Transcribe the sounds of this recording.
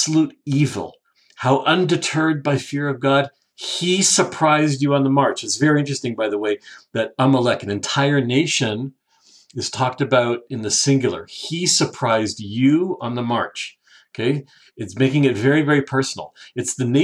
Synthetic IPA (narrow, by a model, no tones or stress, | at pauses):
luɾivl̩ˠ | haʊʔʌ̃ndɨtʰɜ˞d̚baɪfɪɹʌvɡɑd̚ | isə˞pʰɹ̥aɪzd͡ʒɨə̃nðəmɑɹt͡ʃɨtsvɛɹiɪ̃nt͡ʃɹ̥ɨstɪ̃ŋbaɪðəweɪðɨɾɑməlɛkɨ̃nɨ̃ntʰaɪə˞neɪʃɨ̃n | ɨz̥tʰɔk̚tɨbaʊɾɨ̃nðɨsɪ̃ŋɡjl̩ˠə̰˞isə˞pʰɹ̥aɪzjɨə̃nðəmɑ̰ɹt͡ʃ | okʰeɪ | ɨtsmeɪkɪ̃ŋɨtvɛɹivɛɹipʰɜ˞sn̩l̩ˠɨtsðɨneɪ